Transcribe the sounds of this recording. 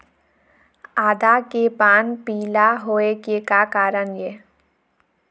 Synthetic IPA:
aːd̪akepaːnpiːlaɦoːekekakaːɾəɳjeː

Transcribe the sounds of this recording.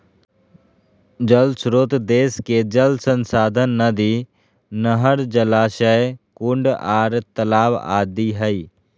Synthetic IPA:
d͡ʒəlsɾoːt̪d̪eːsked͡ʒəlsənsaːd̪ʱənːəd̪i | nəɦəɾd͡ʒəlaːʃəjkʊɳɖaːɾt̪əlaːʋa̰ːd̪iɦəiː

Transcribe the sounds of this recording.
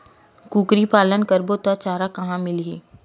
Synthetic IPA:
kuːkɾipaːlənkəɾbot̪ɐt͡ʃaːɾakɐɦãmɪlḭː

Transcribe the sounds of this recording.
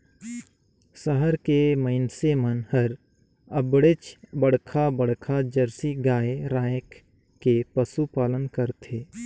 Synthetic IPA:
səɦəɾkeməɪnsemənhəɾ | əbɽet͡ʃbəɽkʰabəɽkʰad͡ʒəɾsiɡaːeɾaːjkː | epəsupaːlənkəɾt̪ʰeː

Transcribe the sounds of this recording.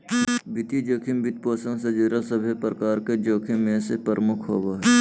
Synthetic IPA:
bɪt̪id͡ʒoːkʰimbɪt̪̚poːsə̃ŋɡsəd͡ʒeɾəlsəbʱepɾəkaːɾked͡ʒoːkʰimːẽsepəɾəmʊkʰɦo̰ːɡaɦɛː

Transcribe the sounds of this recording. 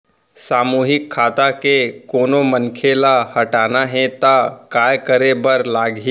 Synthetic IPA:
saːmuːɦɪkʰːaːt̪akekoːnomənkʰelahɐʈaːnaɦɛ̃t̪akaːjkəɾebɐɾlaːɡi

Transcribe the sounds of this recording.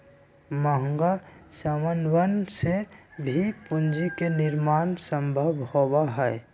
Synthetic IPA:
məɦəŋɡasəmənwənsebʱipund͡ʒikenɪɾmaːnsəmbʱəbʱhobaɦɛɛ

